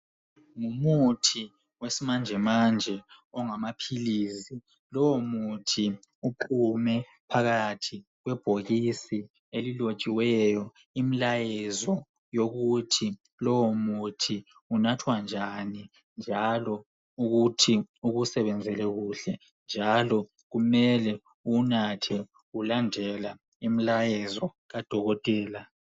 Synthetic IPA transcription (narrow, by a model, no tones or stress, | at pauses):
ŋumutʰi | wesimand͡ʒʱɛmand͡ʒʱɛɔŋamapʰiliːsi | lɔwomutʰi | uǃʰumɛ | pʰaɣatʰiɣwɛb̥ʱoɣisi | elilo̥t͡ʃʼiwɛjɔ | imilajɛzɔ | joɣutʰi | lɔwomutʰi | unatʰwand͡ʒʱani | nd͡ʒʱalɔ | uɣutʰiuɣusɛβɛnd͡zʱɛlɛɣuɬɛ | nd͡ʒʱalɔ | ɣumɛlɛ | unatʰɛ | ulandʱɛla | imilajɛzɔ | ɣad̥ʱɔɣɔtʼɛːla